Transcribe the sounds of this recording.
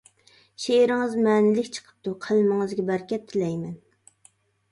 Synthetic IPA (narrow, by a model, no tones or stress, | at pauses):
ʃeɾɪŋɨzmɛːnɪlɪkʲt͡ʃʰə̥qʰə̥p̚t̪ʰuqʰəlmɨŋɨzɡʲɛbæɾkʲɛp̚t̪ʰɪlɛjmɛn